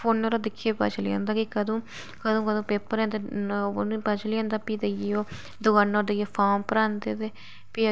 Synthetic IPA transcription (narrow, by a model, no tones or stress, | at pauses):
pʰoːnːɾoːd̪ɪkʰːjeːpa̰t͡ʃliã̰ːnd̪aːkɪkəd̪õː | kəd̪õːkəd̪õːpeːpəɾɛ̃ːnd̪eñpat͡ʃliãːnd̪aːpiːd̪ejoː | d̪ʊɡaːnːoːd̪əjepʰaːmpəɾaːnd̪ḛːt̪eː | piː